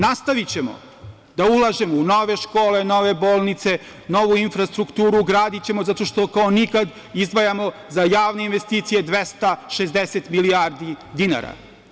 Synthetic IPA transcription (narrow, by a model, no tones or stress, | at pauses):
nast̪aʋit͡ɕe̞mo̞̰ | d̪aulˠaʒe̞mouno̞ʋe̞ʃko̞ːle̞no̞ʋe̞bo̞ːlˠnit̪se̞ | no̞ʋuinfɾast̪ɾukt̪uːɾuɡɾaːd̪it͡ɕe̞mo̞zat̪o̞ʃt̪o̞kaonikad̪ | izd̪ʋajamo̞zajaːʋne̞inʋe̞st̪iːt̪sije̞d̪ʋest̪aʃezd̪eset̪miliaɾd̪id̪ina̰ɾa̰